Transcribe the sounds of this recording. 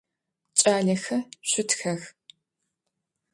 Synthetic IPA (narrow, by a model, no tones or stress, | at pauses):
t͡ʃʼaːɮɐxɐɕʷʊtʰxɐx